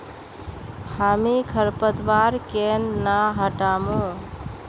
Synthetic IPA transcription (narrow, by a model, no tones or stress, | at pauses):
hamikʰəɾpət̪ʋaɾkenːaɦəʈamũ